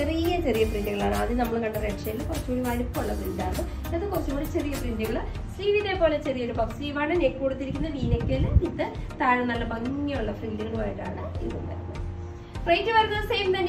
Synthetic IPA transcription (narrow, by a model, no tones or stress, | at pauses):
t͡ɕerijɐt͡ɕe̞rijɐprinduɨɣɐɭa̰ːɳɨɐðɨnɐmːɐɭkɐɳːɐreʈʂejlukɐrɐt͡ɕːoːɽiʋaːnipːoːɭːɐprindaːɐðɨ | eðɨkorɐt͡ɕːɐmɐɽt͡ɕe̞rijɐprindɨɣɐɭɨ | stiːʋit̪ːe̞poːlet͡ɕe̞rijɐɾubɐksiʋaːɳɨneːkːuːɽut̪ːiɾikʲːunːɐniːnɐkʲːelit̪ːɨ | t̪aːɻɐnːɐlːɐbɐŋːiuɭːɐfrindɨɣɐɭɨʋaːjiʈːa̰ːɳɨḭðṵmʋɐ̰ɾɐnːɐ | frejndɨʋɐɾɐnːɐðseːmt̪ɐn